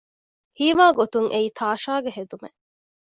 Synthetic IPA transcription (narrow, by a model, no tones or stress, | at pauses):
hiːʋaːɡot̪uŋʔeiːt̪ʰaːʃaːɡeɦed̪umḛ